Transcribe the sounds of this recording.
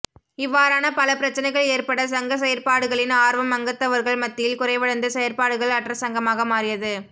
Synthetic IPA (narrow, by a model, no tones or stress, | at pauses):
ɪʋːaːɾaːnɐpɐlɐpɪɾɐt͡ʃːɐnɐɪɣɐɭeːɾpɐɽɐs̬ɐŋɡɐs̬ɛjɐɾpaːɽɯɣɐɭɪnaːɾʋɐmːɐŋɡɐt̪ːɐʋɐɾɣɐɭmɐt̪ːɪjɪlkʊrɐɪʋɐɭɐnd̪ɯsɛjɐɾpaːɽɯɣɐɭɐʈːrɐsɐŋɡɐmaːɣɐmaːrɪjɐðɯ